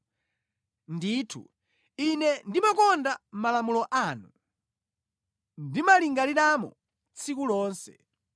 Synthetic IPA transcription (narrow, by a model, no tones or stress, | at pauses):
ndiːtʰṵ | inɛndimakɔndam̩malamulɔʔanu | ndimaliŋɡaliɗamɔ̰ | t͡sʰikulɔːnsɛ̰